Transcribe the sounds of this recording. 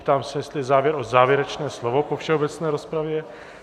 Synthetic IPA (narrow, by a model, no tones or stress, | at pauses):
pt̪aːmsɛjɛst̪lɪzaːvjɛɾʔozaːvjɛɾɛt͡ʃnɛːslovo̞pofʃɛobɛt͡snɛːɾo̞spɾavjɛ